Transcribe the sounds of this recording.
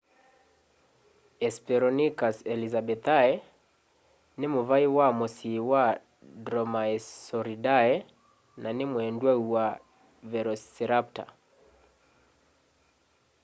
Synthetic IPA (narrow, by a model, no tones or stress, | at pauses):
ɛspɛɾɔnikasɛlizabɛt̪aɛ | nɪmovaiwamosiwa | dɾɔmaɛsɔɾidaɛ | nanɪmwɛndwauwa | vɛɾɔsɛɾap̚ta̰